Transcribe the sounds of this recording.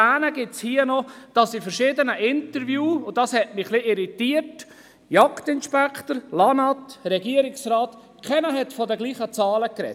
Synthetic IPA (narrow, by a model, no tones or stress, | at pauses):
æːnəɡ̥ɪtshiːənɔd̥ɑsifəɾʃɪːdənəʔɪntəɾvjuːʊdɑshɛtmɪχliɪɾitiːət | jɑktɪnʃpɛkχtəɾlɑnɑtɾɛɡiːəɾɪksrɑːt̪ | kʰɛnəɦɛtfɔdəɡliːχət͡sɑːləkɾɛ̰t